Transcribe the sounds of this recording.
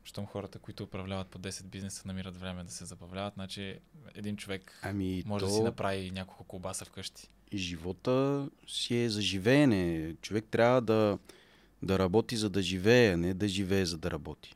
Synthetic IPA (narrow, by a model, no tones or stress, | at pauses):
ʃt̪omxɔɾət̪əkoit̪ʊːpɾɐvlʲavɐt̪̚pod̪ɛsɛd̪̚biznɛsə̥nɐmiɾət̪vɾɛmɛd̪ɐsɛzɐbɐvlʲavɐt̪nat͡ʃiɛ̰d̪int͡ʃovɛkɐmimɔʒɛdɔɐsinɐpɾavinʲakolˠkʊkʊbasɐfkɤʃt̪i̥ | ʒivɔt̪əsiɛzɐʒivɛːnɛt͡ʃovɛk̚t̪ɾʲavəd̪ɐ | d̪ɐɾɐbɔt̪izɐd̪ɐʒivɛːɐnɛd̪ɐʒivɛːzɐd̪ɐɾʔɐbɔt̪i̥